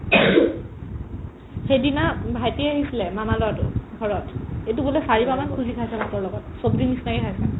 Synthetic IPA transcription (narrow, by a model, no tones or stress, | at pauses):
xejdinabʱajtiaɦisilɛmamalɔatʊ̰ɡʱɔɹɔtejtubulesaɹibamankʰuzikʰajsɛnatɔɹlɔɡɔtsobdinisnakikʰajsɛ